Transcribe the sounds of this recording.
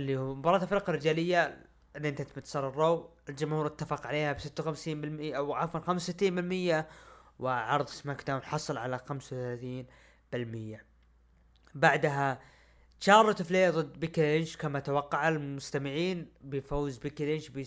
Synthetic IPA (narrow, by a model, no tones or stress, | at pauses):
ʔlːihmʊbɑɾˤɑːt̪afɪɾqɑrːɪd͡ʒaːlɪjːa | ʔɪnːiʔɪnt̪at̪mɪt̪sɑːɾˤɑɾˤːowɪld͡ʒʊmhuːɾɪt̪ːafɑqʕaleːhabsɪt̪ːawxamsiːmbɪlmɪʔawʕɑfwɑlxamssɪt̪ːiːmbɪlmɪjːawɪʕɑɾˤðˤsmakd̪aːwnħɑsˤɨlʕalaxamsawθalaːθiːn | b̥ɪlmɪjːa | baʕd̪ɦa | ʃɑːɾˤɑt̪ɪfleːðˤɨd̪ːbiklɪnʃkamat̪awɑqːɑʕalmʊst̪amɪʕiːnbɪfowːzbikilɪnʃbɪ